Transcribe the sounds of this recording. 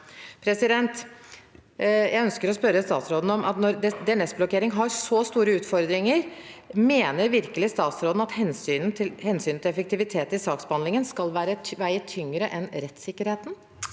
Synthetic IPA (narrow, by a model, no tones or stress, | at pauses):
pʰɾɛsɪd̪ɛnt̪ | jæɪœnskəɾɔspœɾəst̪ɑːt̪sɾoːd̪n̩ɔmɑ̰t̪nɔɾd̪ɛnɛsblɔkeːɾɪŋɦɑɾsɔst̪uːɾəʉːt̪fɔɾd̪ɾɪŋəɾmeːnəɾʋɪɾkəlɪst̪ɑːt̪sɾoːd̪n̩ɑt̪hɛnsyːnn̩t̪ʰɪlhɛnsyːnt̪ɪlɛfəkt̪ɪʋɪt̪ʰeːt̪ɪsɑːksbəhɑnlɪŋənskɑlʋæːɾəʋæɪət̪ʰʏŋɾəʔɛnɾɛt̪sɪkːəɾheːt̪n̩